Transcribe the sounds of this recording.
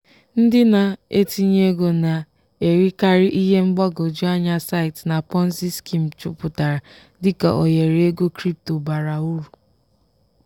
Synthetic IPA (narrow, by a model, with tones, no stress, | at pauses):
n̩˦dɪ˦na˨e˦ti˦ɲe˦ɡo˨na˨ | e˨ɾi˦ka˦ɾɪ˦ʔi˦ɦe˦ŋ͡m̩˦ɡ͡ba˦ɡo˨d͡ʒu˦a˦ɲa˦sa˦ɪ˨tna˨pɔ˦n̩˦si˦ski˦m̩˨t͡ʃʊ̰˨pʊ˨ta˨ɾa˨ | dɪ˦ka˨ʔo˨je˨ɾe˦ɡo˦kɾi˦p̚to˨ba˨ɾa˨u˦ɾu˨